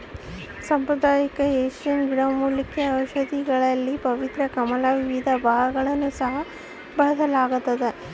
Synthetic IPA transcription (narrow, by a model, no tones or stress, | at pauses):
sɐmpɾɐd̪ʱaːjɐkɐeːʃɐnɡiɽɐmuːlikːeɐʋɐʃɐd̪ʱiɡɐɭɐlːipɐʋit̪ɾɐkɐmɐlaːʋiʋid̪ʱɐbʱaːɡɐɡɐɭɐnːusɐɦɐ | bɐɦɐd̪ɐlaːɡut̪ːɐd̪e